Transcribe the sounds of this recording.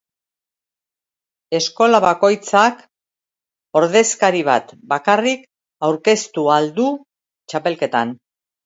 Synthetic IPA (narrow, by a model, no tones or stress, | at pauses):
e̞sko̞laβako̞jt͡sak | o̞ɾðe̞skaɾiβ̞a̰t̪bakarik | awɾke̞st̪uald̪u | t͡ʃape̞lke̞t̪an